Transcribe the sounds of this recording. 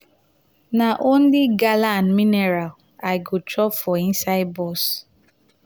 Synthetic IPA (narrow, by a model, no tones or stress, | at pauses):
naʔon̩liɡalanmineɾal | aɪɡotɔpfɔĩnsaɪd̚bɔs